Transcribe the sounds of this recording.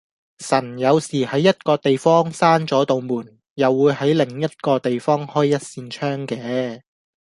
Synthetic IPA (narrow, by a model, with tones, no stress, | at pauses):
sɐ˨˩njɐ˨˧wsiː˨˩hɐ˨˥jːɐ˥t̚kɔː˧t̪e˨jfɔː˥ŋsaː˥nt͡sɔː˨˥t̪o˨wmuː˨˩n | jɐ˨wːuː˨˧jhɐ˨˥jlɪ˨˩ŋjɐ˥t̚kɔː˧t̪e˨jfɔː˥ŋhɔː˥jːɐ˥t̚siː˧nt͡ʃʰœː˥ŋkɛː˨˧